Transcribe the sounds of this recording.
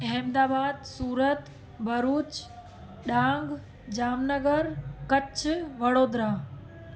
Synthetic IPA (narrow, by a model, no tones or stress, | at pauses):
ɛmd̪aːbaːd̪suːɾət̪ | bʱɐɾuːt͡ɕ | ɗãːŋɡ | d͡ʑaːmnəɡəɾkɐt͡ɕʰʋɐɽoːd̪ɾaː